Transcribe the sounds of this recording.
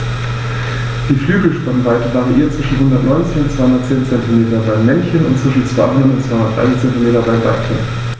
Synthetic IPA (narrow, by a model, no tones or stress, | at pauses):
d̥iːflyːɡl̩ʃpanvaɪtəvaʁiʔiːɐt̚t͡sv̥ɪʃn̩ɦʊndɐtnɔʏnt͡sɪçʊntt͡svaɪhʊndɐtt͡seːnt͡sɛntimeːtɐbaɪmɛnçənʊ̰ntt͡sv̥ɪʃn̩t͡sv̥a̰ɪhɦʊndɐtʊntt͡sv̥aɪʊndɐətʔa̰ɪt͡sɛntimeːtɐbaɪba̰tʰə̰n